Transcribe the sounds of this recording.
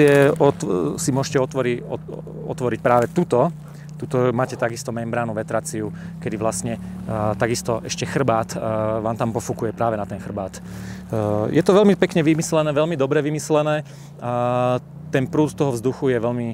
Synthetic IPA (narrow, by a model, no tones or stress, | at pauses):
ɛɔt̪simʊɔʒɛcɛɔt̪ʋɔɾiɔ̰ | ɔ̰t̪ʋɔɾic̚pɾaːʋɛt̪ut̪ɔ | t̪ut̪ɔmaːcɛt̪aɡist̪ɔmɛmbɾaːnuʋɛt̪ɾaːt͡siu | kɛd̪iʋlast̪ɲɛ | t̪aɡist̪ɔʔɛʃcɛxr̩baːt̪ʋaːmt̪ampɔfukujɛpɾaːʋɛnat̪ɛnxr̩baːt̪ | jɛt̪ɔʋɛlmipɛkɲɛʋimislɛnɛːʋɛlmid̪ɔbɾɛʋimislɛnɛː | a | t̪ɛnpɾuːt̪t̪ɔɦɔvzd̪uxujɛʋɛlmi